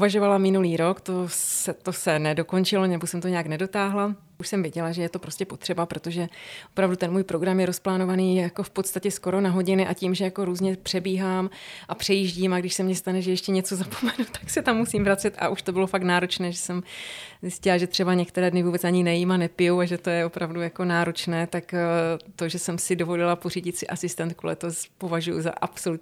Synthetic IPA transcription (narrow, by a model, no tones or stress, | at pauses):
uvaʒo̞valamɪnuliːɾo̞kt̪osɛt̪o̞sɛnɛdo̞ko̞nt͡ʃɪlonɛbosɛmt̪oɲɛjaknɛdo̞t̪aːɦla | ʔuʃsɛmvjɛɟɛlaʒɛjɛt̪o̞pɾo̞scɛpo̞t̪r̝̥ɛbapɾo̞t̪o̞ʒɛʔopɾavdut̪ɛnmuːjpɾo̞ɡɾamjɛɾosplaːnovaniːjako̞fpo̞t̪st̪acɛsko̞ɾo̞naɦo̞ɟɪnɪʔaciːmʒɛjako̞ɾuːzɲɛpr̥ɛbiːɦaːmʔapr̝̥ɛjiːʒɟiːmaɡdɪʃsɛmɲɛst̪anɛʒɛjɛʃcɛɲɛt͡so̞zapo̥mɛnut̪ːḁksɛt̪amːusiːmvɾat͡sɛt̪ʔa̰ʔuʃt̪o̞bɪlofaknaːɾo̞t͡ʃnɛːʒɛsɛmzɪscɪlaʒɛt̪r̝̥ɛbaɲɛkt̪ɛɾɛːdnɪvuːbɛt͡saɲɪnɛjimanɛpɪjowaʒɛt̪o̞jɛo̞pɾavdujako̞naːɾo̞t͡ʃnɛːt̪akt̪o̞ʒɛsɛmsɪdo̞vo̞lɪlaporiːɟɪt̪sɪʔasɪst̪ɛnt̪̚kulɛ̰t̪ospo̞vaʒujṵza̰ʔapso̞lut̪